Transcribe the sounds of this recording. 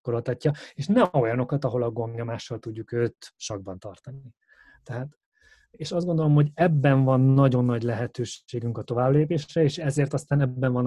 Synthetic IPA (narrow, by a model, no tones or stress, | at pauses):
koɾolt̪ɒcːɒeːʃnɛo̞jɒno̞kɒt̪ɒɦo̞lɒɡomjɒmaːʃːɒlt̪uɟːukøːt̪ʃɒɡ̚bɒnt̪ɒrt̪ɒni | ɛɦaːt̪ | eːʃɒzdɡo̞nd̪o̞lo̞mho̞ɟɛbːɛɱvɒnːɒɟo̞nːɒɟlɛɦɛt̪øːʃeːɡyŋkɒt̪o̞vaːbleːpeːʃrɛeːʃɛzeːrt̪ɒst̪aːnɛbːɛɱvɒn